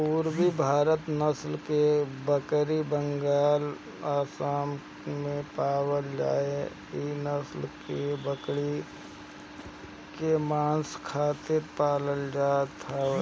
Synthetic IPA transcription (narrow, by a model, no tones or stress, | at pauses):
puːɾbibʱaːɾət̪nəslkebəkɾibə̃ŋɡaːl | aːsaːm | mẽpaːwəld͡ʒa̰ːe | inəslkebəkɽi | kemaːnskʰaːt̪ɪɾpaːləld͡ʒaːt̪ʰa